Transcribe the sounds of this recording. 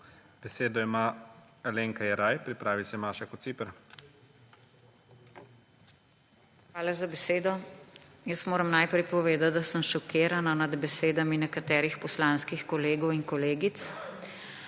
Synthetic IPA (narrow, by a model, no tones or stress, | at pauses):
b̥ɛseːd̪ɔima | aleːŋkajɛɾajpɾipɾaːʋisɛmaːʃakɔt̪siːpɛɾ | xʋaːlazabɛseːd̪ɔ | jəsmoːɾɐmnajpɾɛjpɔʋeːd̪at̪̚d̪asəmʃɔkeːɾananad̪bɛseːd̪aminɛkat̪ɛːɾixpɔslaːnskixkɔleːɡɔwiŋkɔleːɡit̪s